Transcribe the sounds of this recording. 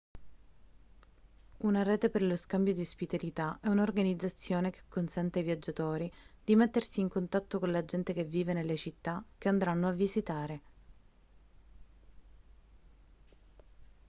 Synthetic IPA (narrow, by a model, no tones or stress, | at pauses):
unaɾɛːt̪eperloskambjod̪ispit̪alit̪aɛunorɡanid̪zːat̪sːjoːnek̟e̥kːonsɛnt̪eivjad͡ʒːat̪oːɾid̪̥imet̪ːersiːŋkont̪at̪ːokonlad͡ʒɛnt̪ek̟evːiːvenelːet͡ʃit̪ːak̟ːeand̪ɾanːoavːizit̪aːɾe